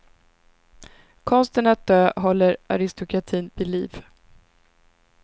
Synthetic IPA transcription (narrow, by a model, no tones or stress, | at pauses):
kʰɔnst̪ənat̪̚d̪øːɦɔlːəɾʔa̰ɾɪst̪ʊkɾat̪ʰiːnvɪliːv